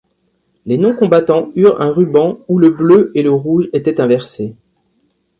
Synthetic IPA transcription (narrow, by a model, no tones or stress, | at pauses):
lenɔ̃kɔ̃bat̪ɑ̃yʁɛ̰̃ʁybɑ̃uləbløeləʁuʒet̪ɛt̪ɛ̃vɛʁse